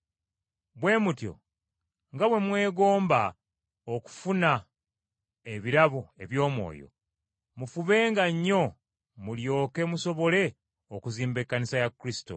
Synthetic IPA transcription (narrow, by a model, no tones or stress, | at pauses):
βwe̞ːmutjo̞̰ | ŋɡaβwe̞mwe̞ːɡo̞ːmba | oku̥funa | eβiɾaβoe̞̰βjo̞ːmwo̞̰ːjo̰ | mufuβe̞ːŋɡaɲːo̞ | muljo̞ːke̞muso̞βo̞le̞ | okuziːmbekːanisajakːɾisi̥to̞̰